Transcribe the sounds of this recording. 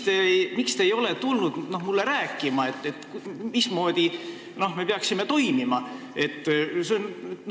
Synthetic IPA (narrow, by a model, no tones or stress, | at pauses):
t̪emikst̪e̞ːjo̞le̞t̪ulnud̪̥no̞hmulːe̞ɾæːkːˑimɑe̞t̪ːet̪ːkmismo̞ːd̪̥i | no̞hme̞peɑksime̞t̪o̞jmimɑ | e̞t̪ːseon